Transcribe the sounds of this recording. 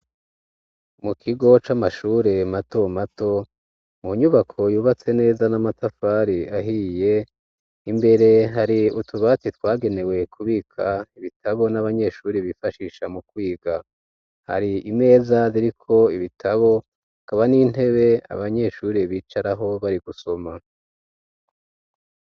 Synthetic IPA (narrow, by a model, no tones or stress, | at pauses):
mukʰiɡo̞t͡ʃamaʃuːɾe̞mato̞mato̞ | muɲuβakʰo̞juːβat͡se̞ne̞ːzanamatafaɾiaɦije̞ | imbe̞ɾe̞ɦaɾiutʰuβat͡sitwaːɡe̞ne̞we̞kʰuβikʰaiβitʰaβo̞naβaɲe̞ʃuːɾiβifaʃiːʃamukwiːɡa | ha̰ɾiime̞ːzaziɾikʰo̞iβitʰaβo̞ | kaβanin̥e̞βe̞a̰βaɲe̞ʃuːɾiβiːt͡ʃaɾaɦo̞βaɾiɡuso̞ma